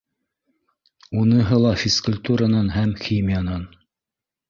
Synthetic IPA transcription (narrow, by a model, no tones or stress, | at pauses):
unɤɦɤlˠɑfʲiskʊlʲt̪uɾanɑnɦæmxʲimʲɪjanɑn